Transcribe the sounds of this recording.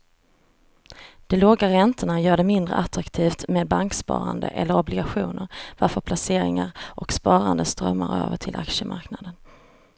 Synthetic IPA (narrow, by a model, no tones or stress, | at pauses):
d̪̥ɔloːɡaɾɛnt̪ʰəɳajœːɖɛmɪnd̪ɾə̰ʔat̪ɾakt̪ʰiːft̪meːd̪̚baŋkspɑ̰ːɾand̪ə̰ʔɛlːəɾɔblɪɡaɧuːnəɾvaɾfœɾpʰlaseːɾɪŋaɾʔɔkspɑːɾand̪əst̪ɾœmːaɾø̰ːvəʈʰɪlʔa̰kʂəmʔa̰ɾknad̪ən